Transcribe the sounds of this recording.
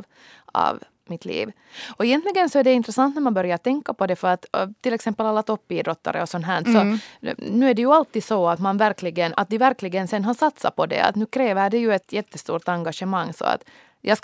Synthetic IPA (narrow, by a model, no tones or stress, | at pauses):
ɑ̰v | mɪt̪ʰlḭːv | ɔɛjɛnt̪lɪɡənsɔæɖɛɪnt̪ɾɛsɑnt̪næɾmanbœɾjaɾt̪ɛŋkːapɔd̪ɛfœɾat̪t̪ʰːɪlɛksɛmpːəlalːat̪ɔpːiːd̪ɾɔt̪ːa̰ɾə̰ɔsɔnːɦæːɳsɔnʉːæɖɛjɵalt̪ːiːd̪sɔat̪manvæɾklɪɡəna̰t̪̚d̪ɪvæɾklɪɡənsɛnːɦasat̪sa̰pʰɔd̪ɛ̰a̰t̪nʉ̟ːkʰɾeːvəɖɛjʉɛt̪jɛt̪ːəst̪ṵːɾʈ̪aŋɡaʂəmaŋːsɔ̰a̰t̪ | jɑːs